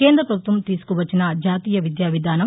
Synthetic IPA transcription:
keːnd̪ɾɐpɾɐbʱut̪ʋɐmt̪iːsu̥kuʋɐt͡ʃːinɐd͡ʒaːt̪iːjɐʋid̪jaːʋid̪ʱaːnɐm

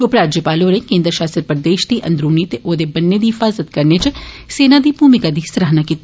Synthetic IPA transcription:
ʊpɾaːd͡ʒjəpaːloːɾẽkẽːnd̪ɾəʃaːst̪əɾpəɾd̪eːʃd̪iʔɐ̰̃nd̪ɾuːnit̪eʔoːd̪ebɐnːed̪iɦɪfaːzət̪kɐɾnet͡ʃ | seːnad̪iːbʱuːmɪkad̪isɐɾaɦnakiːt̪

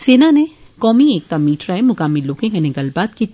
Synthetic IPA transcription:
seːnane | kɔːmieːk̚t̪amiːʈɾaẽmʊkaːmiloːkɪ̃ŋkenẽɡɐlbaːt̪kit̪

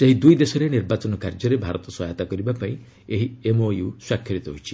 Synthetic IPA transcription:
seɦid̪ujd̪esɔɾeniɾbat͡ʃɔnɔkaɾd͡ʒɔɾebʱaɾɔt̪ɔswɔjɔt̪akɔɾibapaĩ | eɦiemojuswakʰːjɔɾit̪ɔɦoit͡ʃʰi

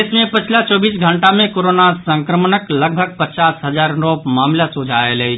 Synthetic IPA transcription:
smẽpət͡ʃʰlat͡ʃɔːbiːsɡʱəɳʈamẽkoːɾoːnasə̃ŋkɾəmnəkləɡ̚bʱəɡ̚pət͡ʃaːsɦəzaːɾɾoːpmaːmlasod͡ʒʱaelei

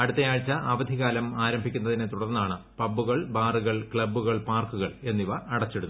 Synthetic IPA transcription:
ɐɽut̪ːɐjaːɻt͡ɕːɐʔɐʋɐd̪ʱiɣaːlɐmaːɾɐmbʱikʲːunːɐðinet̪uɽɐrnːaːɳɨ | pɐbːuɣɐɭbaːruɣɐɭkɭɐbːuɣɐɭpaːrkuɣɐɭe̞nːiʋɐːɽɐt͡ɕːeɽut̪ː

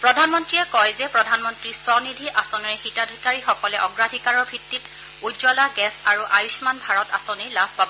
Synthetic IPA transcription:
pɹɔdʱanmɔntɹijɛkɔjzɛpɹɔdʱanmɔntɹisɔnidʱiʔasɔniɹxitadʱikaɹixɔkɔlɛʔɔɡɹadʱikaɹɔɹbʱitːit | uzɔlakɛsaɹuʔajusmanbʱaɹɔta̰sɔnilabʱpabɔ

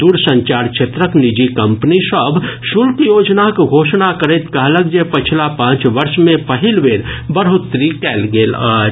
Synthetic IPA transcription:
d̪uːɾsə̃ɲt͡ʃaːɾkt͡ʃʰet̪ɾəknid͡ʒikɐ̃mpnisəbʱʃʊlkjoːd͡ʒnakɡʱoːʃnakəɾet̪kaɦləɡd͡ʒepət͡ʃʰlapãːt͡ʃʋɐɾʃmẽpɐɦɪlʋeːɾbəɾɦʊt̪ːɾikɛːlɡeːlɔːɾ

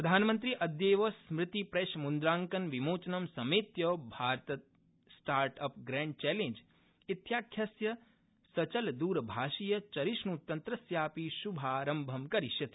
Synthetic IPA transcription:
pɾɐd̪ʱaːnmɐnt̪̬ɾiʔɐd̪jeːʋɐsmɾɪt̪ipɾeːʃmund̪ɾaːŋkɐnʋimoːt͡ʃɐnɐmsɐmeːt̪jɐːbʱaːɾt̪ɐt̪̚ | sʈaːɾʈɐpʰɡɾɛ̃ːɳɖ̚t͡ʃɛːleɲd͡ʒ | it̪jaːkʰjɐsjɐ | sɐt͡ʃɐld̪uːɾɐbʱaːʃijɐt͡ʃɐɾiʃɳut̪ɐnt̪ɾɐsjaːpiʃubʱaːɾɐmbʱɐmkɐɾiʃjɐt̪i̥

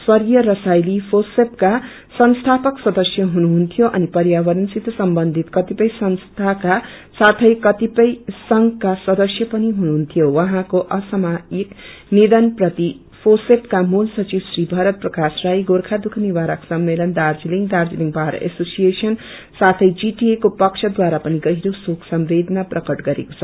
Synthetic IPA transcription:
swʌrjʌɾʌsajlipʰosepka | sʌnst̪ʰapʌksʌd̪ʌsjʌɦunuɦunt̪ʰijoʔʌnipʌɾjabʌɾʌnsit̪sʌmbʌnd̪ʱit̪kʌt̪ipʌjsʌnst̪ʰaka | sat̪ʰʌjkʌt̪ipʌjsʌŋɡkasʌd̪ʌsjʌpʌniɦunuɦunt̪ʰijowʌɦãkoʔʌsʌmaiknid̪ʌnprʌt̪i | pʰoseʈkamulsʌt͡sibsribʱʌɾʌt̪̚prʌkasrajɡorkʰad̪ukʰniwaɾaksʌmːelʌnd̪ard͡ziliŋd̪ard͡ziliŋɡbʱaɾ̰ʔḛsosijesʌn | sat̪ʰʌjd͡ziʈiekopʌkt͡ʃʰʌd̪waɾapʌniɡʌɦiɾosokʰsʌmbed̪ʱʌnaprʌkʌʈɡʌɾḛko̥t͡sʰʌ

